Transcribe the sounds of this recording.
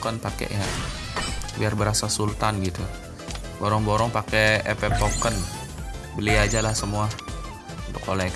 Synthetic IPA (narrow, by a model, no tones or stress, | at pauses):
kənpakḛʔja | biarbəɾasasult̪anɡit̪u | boɾɔŋboɾɔŋpakeepɛpokən | bəliad͡ʒalahsəmua | unt̪ʊkolɛ